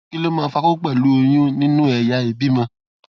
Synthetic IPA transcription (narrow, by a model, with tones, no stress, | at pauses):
ki˦lo˦mãː˦˧fa˧ko˦ɡ͡bɛ˦˨lu˨˦o˧j̃ũ˦nĩ˦nũ˦ɛ˨ja˨˦e˨bi˦mã˧